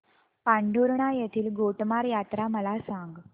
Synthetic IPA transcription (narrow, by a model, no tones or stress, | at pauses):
paɳɖʱuɾɳajet̪ʰiːlɡoʈmaɾjat̪ɾaməlasãŋɡ